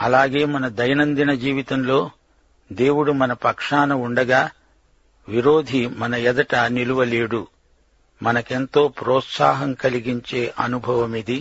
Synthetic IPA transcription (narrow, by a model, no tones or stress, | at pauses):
ɐlaːɡe̞ːmɐnɐd̪ɐjɐnɐnd̪inɐd͡ʒiːʋit̪ɐmlo̞ː | d̪e̞ːwuɽumɐnɐpɐkʂaːnɐuɳɖɐɡaː | ʋiɾoːd̪ʱimɐnɐɛd̪ɐʈɐniluʋɐleːɽu | mɐnɐkent̪o̞ːpɾɔːt̪sa̰ːɦɐmkɐliɡiɲt͡ʃeːʔɐnubʱɐʋɐmid̪i